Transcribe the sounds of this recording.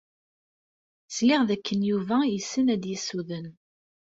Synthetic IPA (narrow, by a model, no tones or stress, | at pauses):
slɪʁðækːənjuvæjəsːənæd̪jəsuðən